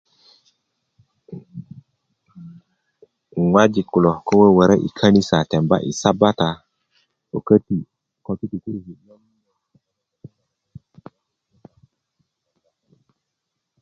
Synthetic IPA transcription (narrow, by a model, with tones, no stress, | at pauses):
ŋwa˦d͡ʒi˨ku˨lo˨ko˦we˦wə˨ɾa˦ʔḭ˨kʰa˦ni˦sa˨tɛ˨mba̰˦ʔḭ˨sa˦ba˦ta˨ | o˨kə˦ti˨ | ko˦ki˦ti˨ku˦ɾhi˨ja˦m˦˨